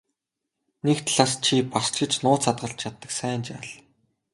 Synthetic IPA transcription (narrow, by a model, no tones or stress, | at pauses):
nekt̪ʰɮaːst͡ɕʰipast͡ɕɪ̆t͡ɕnʊːt͡sat̪̚ɢə̆ɬt͡ɕʰat̪ːə̆ksæːnt͡ɕa̰ɮ